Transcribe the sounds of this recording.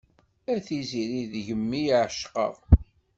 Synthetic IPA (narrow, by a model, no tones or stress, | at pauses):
æθiziɾiðʝəmːijʕʃqə̰vˤ